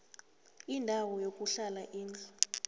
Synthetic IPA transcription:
indʱawɔjokʼuɬalaʔiːnd͡ɮa

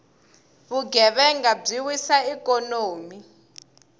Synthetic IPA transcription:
βuɡʱɛβɛŋɡab͡ʐiwisaikʼɔnoːmi

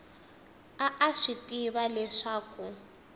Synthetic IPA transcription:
aʔaʂitiβalɛʂaːku

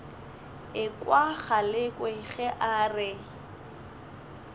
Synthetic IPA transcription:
ɪkʼwaχalɪkʼwɛɣɛʔarɪ

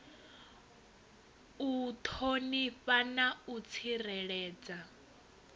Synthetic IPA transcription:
ut̪ʰoniɸanaut͡sʰirɛɺɛːd͡za

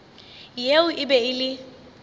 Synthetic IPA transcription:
jeʊʔɪbɛɪlɪ

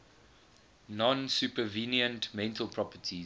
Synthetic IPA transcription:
nɔ̃nsupəviniə̃ntmɛ̃ntʰəlˠpʰɹɔpətʰi

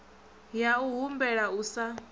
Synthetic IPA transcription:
jauɦumbɛɺausa

